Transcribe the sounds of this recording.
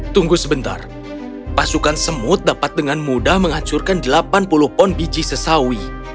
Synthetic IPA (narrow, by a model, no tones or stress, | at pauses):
t̪uŋɡusəbənt̪a̰r | pasukansəmʊt̪̚dapat̪̚dəŋanmudahməŋat͡ʃurkandəlapanpulʊhpɔnbit͡ʃisəsawi